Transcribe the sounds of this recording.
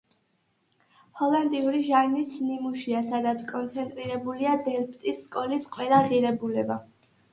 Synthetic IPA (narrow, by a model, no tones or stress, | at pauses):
hɔlˠɛnd̪ʼiuɾiʒaɾmisnimuʃiasad̪at̪sʰkʼɔnt̪sʰɛnt̪ʼɾiɾɛbuliad̪ɛlpʰʼt̪ʼisːkʼɔlisqʼwɛlˠaʁiɾɛbulɛba